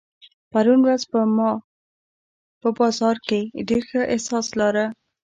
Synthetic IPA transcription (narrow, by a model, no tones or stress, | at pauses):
paɾunɾazpəmɑ | pəbɑzɑɾkeɖeɾxəʔɪhsɑslaɾə